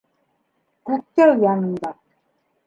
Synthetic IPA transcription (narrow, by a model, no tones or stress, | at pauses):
kuk̚t͡ɕ͈ʌjanɯnda